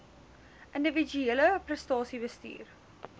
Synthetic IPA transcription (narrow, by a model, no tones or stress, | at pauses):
ʔəndəvid͡ʒyeləprəstɑːsibəstḭːr